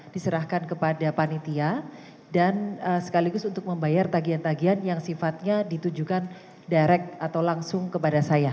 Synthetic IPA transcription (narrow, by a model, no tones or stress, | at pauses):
d̥isəɾahkankəpadapanit̪ia | danəsə̥kaliɡʊsunt̪ʊk̚məmbajart̪aɡiant̪aɡianjaŋsifat̪̚ɲadit̪ud͡ʒukan | daɾɛk̚at̪awlaŋsʊŋkəpadasaja